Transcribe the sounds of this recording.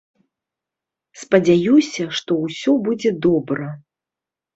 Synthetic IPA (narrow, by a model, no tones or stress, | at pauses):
spɐd͡zʲajusʲɐʂt̪ɔwsʲɔbud͡zʲɛd̪ɔbɾɐ